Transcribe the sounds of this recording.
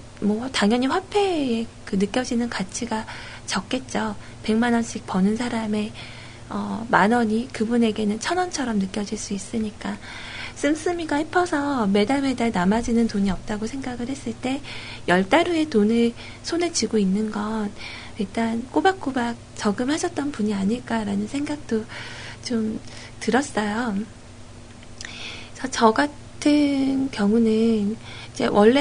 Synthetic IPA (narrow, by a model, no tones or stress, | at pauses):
mwʌtaŋjʌɲiɸwapʰe̞ːkɯnɯk͈jʌd͡ʑinɯnkat͡ɕʰiɡa | t͡ɕʌk̚k͈e̞t̚t͡ɕ͈o | pe̞ŋmanʌnɕʰik̚pʌnɯnsʰaɾame̞ | ʌmanʌɲikɯbune̞ɡe̞nɯnt͡ɕʰʌnʌnt͡ɕʰʌɾʌmnɯk͈jʌd͡ʑiɭs͈uis͈ɯɲik͈a | s͈ɯms͈ɯmiɡahipʰʌsʰʌme̞daɭme̞daɭnamad͡ʑinɯntoɲiʌp̚t͈aɡosʰe̞ŋɡaɡɯɭhe̞s͈ɯɭt͈e̞jʌɭt͈aɾue̞tonɯɭ | sʰoned͡ʑiɡoinːɯnɡʌn | iɭt͈ank͈obak̚k͈obak̚t͡ɕʌɡɯmhaɕʰʌt̚t͈ʌnpuɲiaɲiɭk͈aɾanɯnsʰe̞ŋɡak̚t͈ot͡ɕom | tɯɾʌs͈ʌjo | t͡ɕʰʌt͡ɕʌɡa | tʰɯnkjʌŋunɯnid͡ʑe̞̰wʔʌɭːe